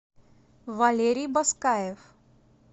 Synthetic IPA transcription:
ʋaleɾiːbəskajeʋ

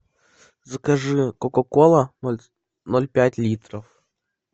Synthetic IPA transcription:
zɐkɐʐɨkɔkɔkolˠɐ | nolʲpʲætʲlʲit̪ɾəf

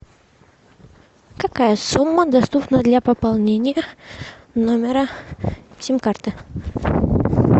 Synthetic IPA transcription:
kɐkajəsumːəd̪ɐst̪upnəd̪lʲapəpalˠnʲenʲɪjə | nomʲɪɾə | tʲimkart̪ɨ

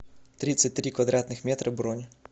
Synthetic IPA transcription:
t̪ɾʲit̪sːɨt̚ʲt̪ɾʲikvɐd̪ɾat̪nɨxmʲɛt̪ɾɐbɾɔnʲ

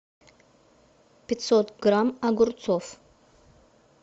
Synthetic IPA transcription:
pʲɪt̪sot̪ɡramaɡʊrt͡sʰof

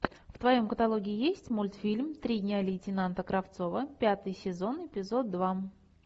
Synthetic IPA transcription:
ft̪vɐjo̞mkət̪alˠoɡʲɪːɪjesʲtʲmulʲt̪fʲilʲmt̪ɾʲidʲnʲalʲɪjtʲɪnant̪əkɾʔɐft̪so̞vəpʲat̪ɨjsʲɪzo̞nɪpʲɪzo̞d̪̚ːva

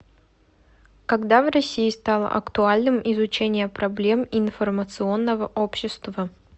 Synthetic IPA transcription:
kɐɡd̪avrɐsʲiːst̪alˠə̰ʔɐ̰kt̪ʊalʲnɨmɪzʊt͡ɕenʲɪjəpɾɐblʲe̞mɪnfərmət̪sɨo̞nːəvəʔopɕːɪst̪və

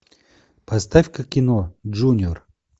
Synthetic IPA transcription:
pʰast̪afʲkəkʲɪnoʒunʲor

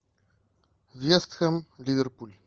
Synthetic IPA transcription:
vjɛst̪xəmlʲivɛɾpulʲi

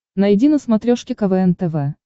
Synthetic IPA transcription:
nɐjdʲinəsmɐt̪ɾʲoʂkʲɪkɐvɛɛnt̪ɛvɛ

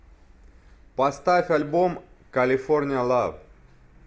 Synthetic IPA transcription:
pɐst̪afʲalʲbom | kɐlʲɪfornʲɪjəlˠav

